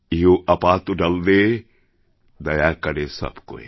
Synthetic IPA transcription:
iɦoʔɐpaːt̪uɖɐld̪e | d̪ɐjaːkɐɾesɐ̰bko̰ḛ

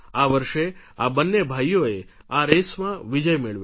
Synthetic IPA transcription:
aʋəɾʃe | abənːebʱajoe | aɾesmãʋid͡ʒəjmeɭʋj

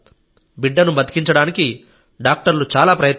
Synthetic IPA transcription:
biɖːɐnubɐt̪i̥kiɲt͡ʃɐɽaːniki | ɖaːk̚ʈɐɾlut͡ʃaːlaːpɾɐjɐt̪

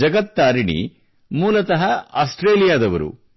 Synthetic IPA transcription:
ɐɡɐt̪ːaːɾiɳḭ | muːlɐt̪ɐɦɐaːsʈɾeːlijaːd̪ɐʋɐ̰ɾṵ

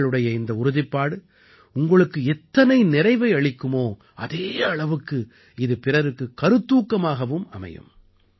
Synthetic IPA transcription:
ɭɯɽɐjɐɪnd̪ɐʊɾʊðɪpːaːɽɯ | ʊŋɡɐɭɯkːɯɛt̪ːɐnɐɪnɪɾɐɪʋɐɪɐɭɪkːɯmoː | ɐðeːɐɭɐʋɯkːɯ | ɪðɯpɪrɐɾɯkːɯkɐɾɯt̪ːuːkːɐmaːɣɐʋɯmɐ̰mɐ̰jɯ̰m

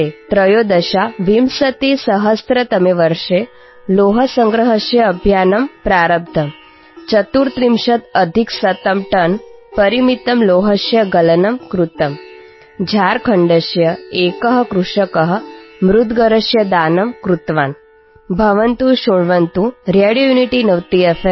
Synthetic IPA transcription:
et̪ɾɐjoːd̪ɐʃaʋimsɐt̪isɐɦɐst̪ɾɐt̪ɐmeʋɐɾʂe | loːɦɐsɐŋɡɾɐɦɐʃjɐːbʱjaːnɐmpɾaːɾɐb̚d̪ʱɐm | t͡ʃɐt̪uːɾt̪ɾimʃɐt̪ɐd̪ʱiksɐt̪ɐmʈɐnpɐɾimit̪ɐmloːɦɐʃjɐɡɐlɐnɐmkɾut̪ɐm | d͡ʒʱaːɾkʰɐɳɖɐʃjɐeːkɐɦɐ̆kɾuʂɐkɐɦəmɾud̪ʱɡɐɾɐʃjɐd̪aːnɐmkɾut̪ʋaːn | bʱɐʋɐnt̪uʃoɳʋɐnt̪uɾeɽjojuniʈinɐʋt̪iefe

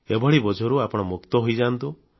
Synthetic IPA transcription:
ebʱɔɭibɔd͡ʒʱɔɾuapɔɽ̃ɔmukt̪ɔɦojd͡ʒant̪u

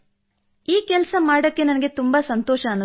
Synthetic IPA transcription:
iːkɛlsɐmaːɽɐkːe̞nɐnɐɡe̞t̪umbɐsɐnt̪oːʃɐːnːu

